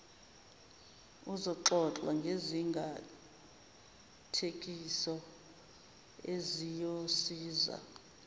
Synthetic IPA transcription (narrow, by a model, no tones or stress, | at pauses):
uzɔǁɔǁwa̰ŋɡʱeziŋɡʱa | tʰek̬ʼisɔ | ezijosiːza̰